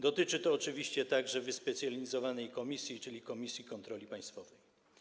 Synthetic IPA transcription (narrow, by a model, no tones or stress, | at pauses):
d̪ɔt̪ɘt͡ʂɘt̪ɔːt͡ʂɘvʲiɕt͡ɕɛt̪aɡʐɛvɘspɛt̪sʲjalʲizɔvanɛjkɔmʲisʲjit͡ʂɘlʲikɔmʲisʲjikɔnt̪ɾɔlʲipaj̃st̪fɔvɛj